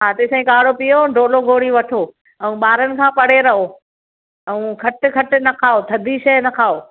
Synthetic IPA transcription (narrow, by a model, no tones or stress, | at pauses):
ɦaːt̪esɐ̃ĩkaːɽopijoɖʱoːloɡʱoːɽiʋɐʈʰoː | ɛ̃ũɓaːɾənɪ̆kʰãːpɐɽeɾɐɦo | ɛ̃ũkʰɐʈkʰɐʈ̆nɐkʰaːot̪ʰɐd̪ʱiʃɐɦnɐkʰaːoː